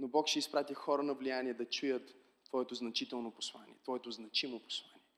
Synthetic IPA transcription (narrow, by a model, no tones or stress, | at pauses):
nobɔkʃɛispɾat̪ixɔɾənɐvlijaniɛd̪ɐt͡ʃujət̪ː | v̥ɔɛt̪oznɐt͡ʃit̪ɛlˠnopo̥slˠa̰nḭɛt̪vɔɛt̪oznɐt͡ʃimopo̥slˠaniɛ